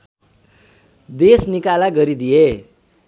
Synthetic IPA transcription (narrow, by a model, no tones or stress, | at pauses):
d̪esnikalaɡʌɾid̪ije